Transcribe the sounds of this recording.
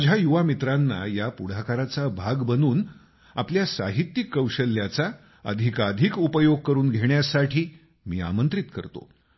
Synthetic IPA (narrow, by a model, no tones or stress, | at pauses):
d͡ʑʱajuʋamit̪ɾanːa̰japuɽ̤akaɾat͡sabʱaɡbənuːn | a̰pljasaɦit̪jikːəwɕəlːjat͡sa | ə̰d̪ʱikad̪ʱikupəjoɡ̚kəɾuːnɡʱeɳjasaʈʰiː | miːa̰mənt̪ɾit̪kə̰ɾt̪o̰